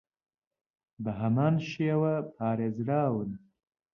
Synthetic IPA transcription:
b̪əɦamɑːnʃewapʰɑːɾezɽɑːwna

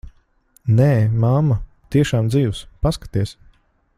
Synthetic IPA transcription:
nɛːmamːa | t̪iɛʃaːmd̪ziːwspaskḁt̪iɛs

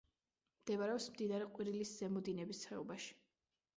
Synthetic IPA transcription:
md̪̥ɛvaɾɛɔpsmd̪inaɾiqʼwiɾilisz̥ɛmɔd̪inɛbist̪sχɛɔbaʃi̥

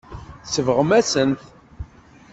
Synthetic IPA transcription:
səvʁəmæsənt̪

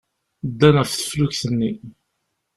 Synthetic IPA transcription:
d̪ːænfθə̥fluçθənːi

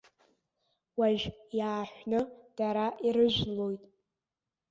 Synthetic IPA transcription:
waʒᶣjaːħʷnɨd̥aɾaʔiɾɨʒʷᶣlo̞jtʼ

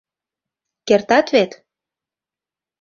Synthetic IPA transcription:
kert̪ɑt̪βet̪

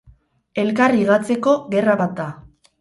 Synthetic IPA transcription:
e̞lkariɣat͡se̞ko̞ɣe̞raβat̪̚d̪a

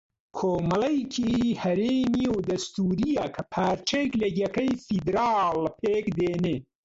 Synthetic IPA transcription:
kʰoːmɐlɐjkʰihɐɾemiowd̪ɐst̪uɾijɐkʰapʰaːɾt͡ʃeklɐɡʲɐkɐjfid̪ɾɑːlpʰeːkd̪eːne

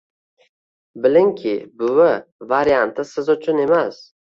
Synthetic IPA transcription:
bɪlɪŋkʲʰɪbʊwɪvaɾjant̪ʰɪsɪzʊt͡ʃʰʊne̞mas

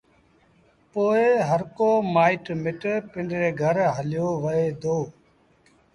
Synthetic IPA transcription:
poːeɦəɾkoːmaːɪʈmɪʈpɪɳɖɾeːɡʱəɾɦəljoːʋəeːd̪oː

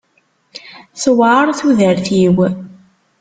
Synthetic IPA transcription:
swʕaɾˤθuðəɾθiw

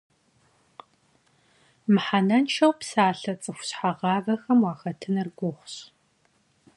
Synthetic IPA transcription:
mɨħanɐnʃɐwpsaːɬɐt͡sʼɨxʷʊ̥ɕħaʁɑːvɐxɐmwɑːxɐtʰɨnɨrɡʷʊχʷɕ

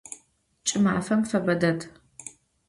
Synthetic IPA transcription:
t͡ʃʼɪmaʕafɐmfɐbɐdɐdʰ

